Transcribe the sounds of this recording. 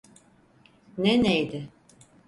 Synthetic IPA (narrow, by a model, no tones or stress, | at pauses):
nenejd̪ɪ